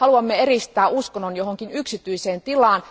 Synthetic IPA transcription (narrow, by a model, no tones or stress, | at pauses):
ɑluɑmːeeɾist̪æːʔuskonːonjoɦoŋkinyksit̪yiseːnt̪ilɑːn